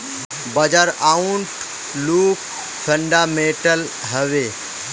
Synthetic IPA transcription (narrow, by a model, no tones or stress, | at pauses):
bəd͡ʒaɾauɳʈ | luːk | pʰə̃ɳɖaːmẽʈəl | ɦəʋeː